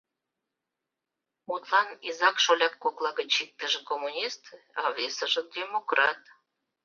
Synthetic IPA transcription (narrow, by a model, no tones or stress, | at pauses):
mut̪lɑnizɑkʃolʲɑkːoklɑɣət͡ɕik̚t̪əʒĕkomunʲist̪ɑvesəʒə̆d̪ʲemokrɑt̪